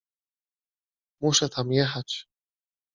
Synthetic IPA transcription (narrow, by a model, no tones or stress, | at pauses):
muʂɛt̪ʰamjɛxat͡ɕ